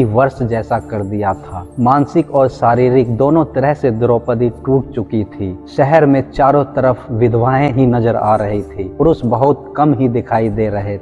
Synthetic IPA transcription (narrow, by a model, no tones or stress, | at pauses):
iʋəɾʃd͡ʒɛːsakɐɾd̪ijat̪ʰaːmãːnsɪkɔːɾʃaːɾiːɾɪk̚d̪oːnõt̪ɐɾɛɦsed̪ɾoːpəd̪iʈuːʈ̚t͡ʃʊkit̪ʰiːʃɛɦɛɾmẽt͡ʃaːɾõt̪əɾəfʋɪd̪ʱʋaːẽɦinɐzəɾa̰ːɾɐɦit̪ʰiːpɾʊsbəɦʊt̪̚kɐmɦid̪ɪkʰaːid̪eːɾɐɦe